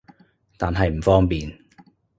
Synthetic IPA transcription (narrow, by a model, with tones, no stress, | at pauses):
t̪aː˨nɦɐ˨jm̩˨˩fɔː˥ŋpiː˨n